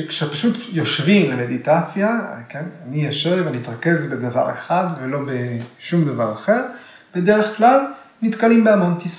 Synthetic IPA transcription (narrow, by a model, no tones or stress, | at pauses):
ekʃepaʃut̪jo̞ʃvimlemed̪it̪at͡sjakenanijaʃevvaniit̪ʁake̞zbed̪ava̰ʁḛχad̪velo̞beʃumd̪avaʁaχe̞ʁ | b̥e̞de̞ʁeχklal | nit̪kalimbeamo̞nt̪is